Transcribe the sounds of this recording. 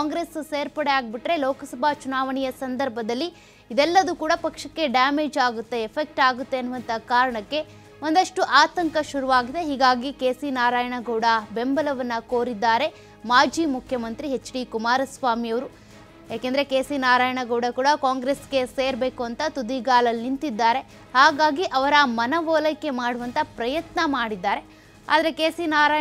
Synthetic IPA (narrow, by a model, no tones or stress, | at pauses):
kaːŋɡɾesseːɾpɐɽeaːɡ̚biʈɾe̞lɔːkɐsɐbʱaːt͡ʃunaːʋɐɳijɐsɐnd̪ɐɾbʱɐd̪ɐlːiː | d̪ɛlːɐd̪ukuːɽɐpɐkʂɐkːe̞ɖaːme̞ːd͡ʒaːɡut̪ːe̞ːpʰek̚ʈaːɡut̪ːeɐnːuʋɐnt̪ɐkaːɾɐɳɐkːe̞ | ond̪ɐʂʈuʔaːt̪ɐŋkɐʃuɾuʋaːɡid̪e̞ɦiːɡaːɡikeːsinaːɾaːjɐɳɐɡɐwɽɐbe̞mbɐlɐʋɐnːɐkoːɾid̪ːaːɾe̞ | maːd͡ʒimukʰjɐmɐnt̪ɾiɦe̞t͡ʃːɽikumaːɾɐsʋaːmijɐʋɐɾu | jaːkend̪ɐɾe̞keːsinaːɾaːjɐɳɐɡɐwɽɐkuːɽɐkaːŋɡɾesɡe̞se̞ːɾbe̞ːkuɐnt̪ɐt̪ud̪iɡaːlɐlnint̪id̪ːaːɾe̞ | haːɡaːɡiʔɐʋɐɾɐmɐnɐʋɔːlɐkːe̞maːɽuʋɐnt̪ɐpɾɐjɐt̪nɐmaːɽid̪ːaːɾe̞ | a̰ːd̪ɐɾe̞keːsinaːɾaː